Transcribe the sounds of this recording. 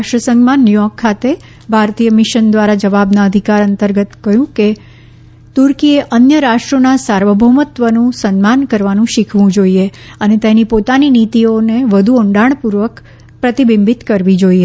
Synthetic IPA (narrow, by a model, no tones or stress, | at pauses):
aʃʈɾəsəŋɡmanːjujɔkʰːat̪e | bʱaɾt̪ijəmɪʃənd̪ʋaɾad͡ʒəʋabnaəd̪ʱikaɾənt̪əɾɡət̪kəɦjũke | t̪uɾkieʔənjəɾaʂʈɾonasaɾʋəbʱəmət̪ʋənũsənmankəɾʋanũʃikʰʋũd͡ʒoieənet̪enipot̪aninit̪ioneʋəd̪ʱuoɳɖaɳ̃puɾʋək | pɾət̪ibimbit̪kəɾʋid͡ʒoie